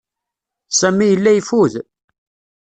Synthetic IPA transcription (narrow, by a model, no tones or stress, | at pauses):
sæmːijəlːæjfuð